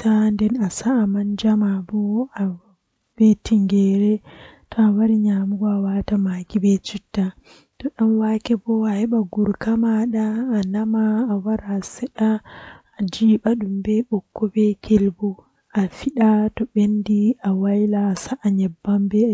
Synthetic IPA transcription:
tandɛnasaːmand͡ʒamabɔa | b̥etiŋɡɛɾɛtʰɔawaɾiɲamuɡɔawatamaːkibɛt͡ʃitːa | tɔɗamwakɛbɔahɛɓaɡuɾkamaɗaːnamaːwaɾasɛɗaː | d͡ʒiːɓaɗumbɛɓɔkːɔbɛkʰelbu | ʔafiɗatɔɓendiawajlaːsaʔːɲɛbːambɛ

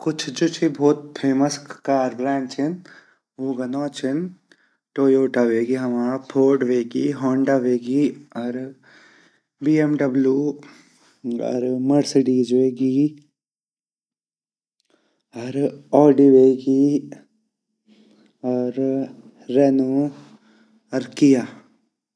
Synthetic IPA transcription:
kʊt͡ʃʰd͡ʒut͡ʃʰibʱoːt̪̚pʰeːməskaːɾbɾaːɳʈt͡ʃʰin | uːɡɐnoːt͡ʃʰin | ʈoːjoːʈaʋeːɡiɦɐmaːpʰoːʈʋeːɡiɦoːɳɖaʋeːɡiːɐɾ | biːemɖɐbljuː | ɐ̰ɾmɐɽsɖiːd͡ʒʋeɡi | ɐɾɔːɖiːʋeːɡi | ɔɾ | ɾenu | ɐɾkija

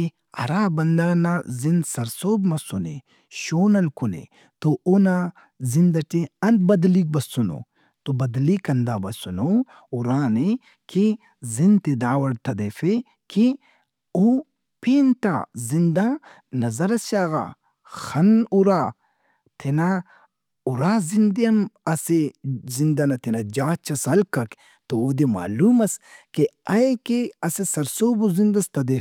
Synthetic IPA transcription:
i | ɐ̰ɾaːbɐnd̪anazinsɐɾsoːbmɐsunḭ | ʃoːnɐlkunḛ | t̪oʔona | zind̪ɐʈiɐnd̪̚bɐd̪lik̚bɐsuno̰ | t̪obɐd̪likɐnd̪aːbɐsuno | uɾaːni | ki | zint̪id̪aːwɐɽt̪ʰɐd̪efe | kʰi | o | peːnt̪a̰zind̪a | nɐzɐɾɐsaːɣa̰ | xɐnuɾaː | t̪ʰena | uɾaːzind̪ɐmɐsezind̪ɐnɐt̪ʰenad͡ʒaːt͡ʃɐsɐlkɐk | t̪ood̪ema̰ːluːmɐskeɐjkeɐsesɐɾsoːbuzind̪ɐst̪ɐd̪ef

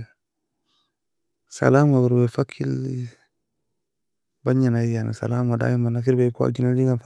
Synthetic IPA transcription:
sa̰lamaɡuɾbefakʰil | baɲanajanḭsa̰lamada̰jimanak̬iɾbeka̰d͡ʒinadiŋɡaf

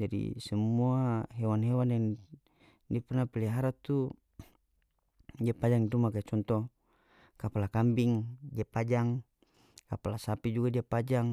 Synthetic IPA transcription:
d͡ʒadḭsɛmuaɦɛwanɦɛwandɛŋ | diapɛrnapilɛɦaɾat̪u | diapad͡ʒaŋdumakat͡ʃɔnt̪ɔ | kapalakambiŋdiapad͡ʒaŋ | kapalasapid͡ʒuɡadiapad͡ʒaŋ

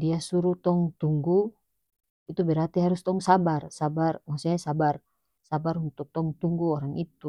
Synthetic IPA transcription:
diasuɾut̪ɔŋt̪uŋɡu | it̪ubɛɾat̪iɦaɾust̪ɔŋsabarsabarmasɔɲasabar | sabaɾunt̪uk̚t̪ɔŋt̪uŋɡuɔɾaŋit̪u

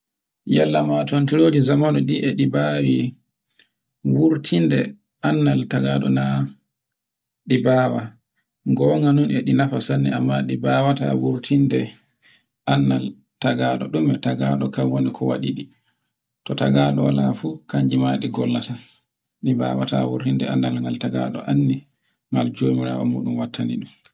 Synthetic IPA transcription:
jɛlːamatntiɾod͡ʒizamanɔɗiʔɛɗibawi | wuɾtʰindɛ | anːaltaɡaɗɔna | ɗibaːwa | ŋɡɔŋɡanunɛɗinafasanːḭamːaɗibawata̰wuɾtʰindɛ | ʔanːal | taɡaɗɔɗumbɛtaɡaɗɔkamwonikʰɔwa̰ɗiɗi | tɔtaɡaɗɔwa̰lafukaɲd͡ʒimaɗiɡɔlːata | ɗiba̰ːwatawuɾtindɛanːalŋɡaltaɡa̰ɗɔʔanːi | ŋald͡ʒomiɾa̰ːwɔ̰mṵːɗumwatʰːanḭɗum

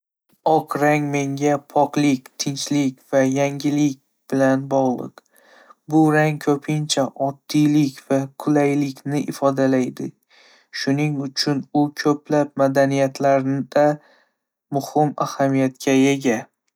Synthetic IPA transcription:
ɒqɾaŋme̞ŋɡʲapʰɒqlˠɪkʲt̪ʰɪnt͡ʃlɪkʲv̥ajaŋɡʲɪlɪkʲ | b̥ɪlanbɒʁlˠɨ̰q | bʊɾaŋkʰɵpʰɪnt͡ʃʰaʔɒd̪ːijlɪkʲvakʰʊlajlɪkʲʰnɪʔɪfɒd̪alajd̪ɪ | ʃʊnɪŋʊt͡ʃʰʊnʊkʲʰɵplap̚mad̪anijat̪ʰlaɾnɪd̪̥a | mʊhɪmahamijat̪kʲʰaje̞ɡʲa

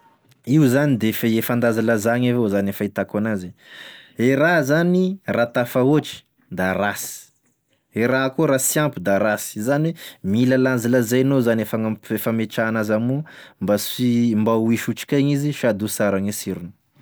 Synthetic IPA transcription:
iuzanid̪efeefand̪azalazaɲevozanefait̪akanazi | eɾazanirat̪afaoʈ͡ʂi̥ | d̪aɾasi̥ | eɾakoɾasjampud̪aɾaszanwemiləland͡ziləzajnozanefaŋaefəmeʈ͡ʂaːnazamumbasimbauiʃuʈ͡ʂi̥kaɲiziʃiad̪usaɾaŋisiɾunu̥

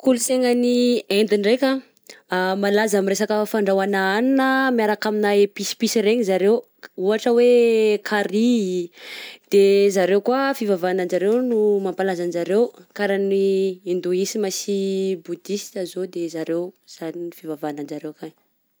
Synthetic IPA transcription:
kuluseŋaniend̪inrekʲa | amalazamiɾesakəfaɳɖ͡ʐawanaaninəmiaɾakaminaepisi̥pisiɾeɲizaɾew | uaʈ͡ʂəwekʰaɾi | d̪̥ezaɾewkuafivavanand͡ʒaɾewnumampalazanizaɾewkaɾaniind̪uisimasibud̪ist̪azod̪ezaɾewz̥aniifivavanand͡ʒaɾewkan

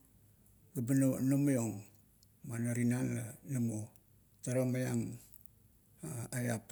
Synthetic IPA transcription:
ɡabanonomojoŋ | manoɾinananamo | taɾomajaŋ | aajap

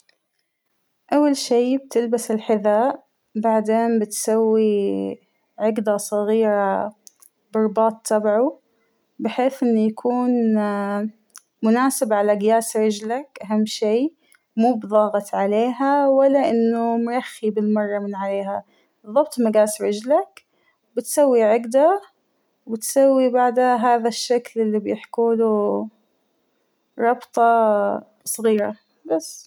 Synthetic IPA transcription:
ʔawːalʃiːb̚t̪ɪlbasɪlħɪðaːʔ | baʕd̪eːmbɪt̪sawːi | ʕɪɡd̪asˤɑɣiːɾa | bɑɾˤbɑːt̪ˤʰːɑbʕu | bɪħeːθʔɪnːujakʰuːn | mʊnaːsɪbʕalaɡɪjaːsɾɪd͡ʒlakʔaɦamːʃiː | muːbðˤɑːɣɑt̪ʕaleːɦawalːaʔɪnːumɾˤɑxːibɪlmɑrˤːɑmɪnʕaleːɦa | b̥ɨðˤːɑbt̪ˤmaɡaːsɾɪd͡ʒlak | bɪt̪sawːiʕɪɡd̪a | wbɪt̪sawːibaʕd̪aɦaːðaʃːaklʔɪlːibjɪħkuːlu | ɾˤɑbt̪ˤɑ | sˤɣiːɾa̰ | basː

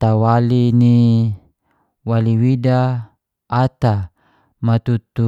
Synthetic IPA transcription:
t̪awalini | waliwidaː | t̪a | mat̪ut̪u

